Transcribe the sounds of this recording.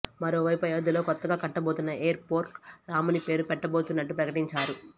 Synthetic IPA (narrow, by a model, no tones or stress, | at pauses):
mɐɾo̞ːʋɐjpɐjoːd̪ulo̞ːkɔt̪ːɐɡaːkɐʈːɐbo̞ːt̪unːɐeːɐɾpoːɾkɾaːmɐnipe̞ːɾupɛʈːɐbo̞ːt̪unːɐʈːupɾɐkɐʈiɲt͡ʃaːɾu